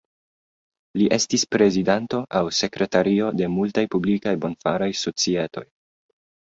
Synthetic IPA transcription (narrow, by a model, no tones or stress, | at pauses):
liʔe̞stispɾe̞zidanto̞ʔawse̞kɾe̞taɾio̞de̞multajpublikajbo̞nfaɾajso̞t͡sie̞to̞̰j